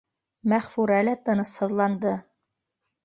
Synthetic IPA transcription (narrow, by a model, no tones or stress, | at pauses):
mæχfuɾælæt̪ɤ̆nɤshɤ̆ðlˠɑnd̪ɤ